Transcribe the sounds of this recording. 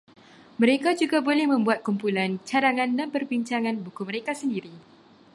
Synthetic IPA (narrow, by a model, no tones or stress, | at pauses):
mə̃ɾekad͡ʒuɡabolɛhmə̃mbuat̪̚kumpulant͡ʃaɾaŋãndanpərbiɲt͡ʃaŋãnbukuməɾekasəndiɾi